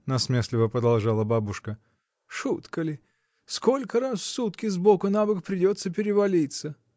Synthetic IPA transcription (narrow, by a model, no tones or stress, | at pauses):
nɐsmʲesʲlʲɪvəpɾəd̪ɐlˠʐalˠəbabʊʂkə | ʂut̪kəlʲɪ | skolʲkəɾasfsut̪kʲɪzbokʊnabɨkpɾʲɪdʲo̞t̪səpʲɪɾʲɪvɐlʲit̪sə